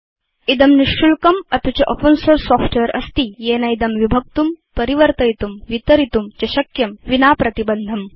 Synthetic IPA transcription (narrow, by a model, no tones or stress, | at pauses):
id̪ɐmniʂʈulkɐmɐt̪ut͡ɕɐʔopənsoːɾsɔːfʈeɾɐ̰st̪ijeːnɐjid̪ɐmʋibʱɐk̚t̪umpɐɾiʋɐɾt̪ɐjt̪umʋit̪ɐɾit̪umt͡ɕɐɕɐkjɐmʋinaːpɾɐt̪ibɐnd̪ʱɐm